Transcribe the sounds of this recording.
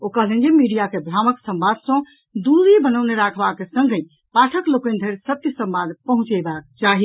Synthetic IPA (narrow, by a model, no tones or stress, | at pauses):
okəɦlẽnd͡ʒemiɖijakebʱɾaməksəmbad̪ʱsə̃ | d̪uɾibənəwneɾakʰbakesəŋɡə̃ | paʈʰəklokend̪ʱeɾsət̪jəsə̃mbad̪pəɦũt͡ʃəɪbakt͡ʃaɦi